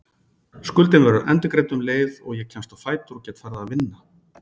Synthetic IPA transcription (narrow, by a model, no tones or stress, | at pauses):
skʏlt̪ɪnvɛɾʏʔɛ̰nt̪ʏkɾeːjt̪ʏmleːjðɔɣjɛcʰɛmst̪awfaːjt̪ʏɾɔcɛːt̪faɾðaːvɪnːa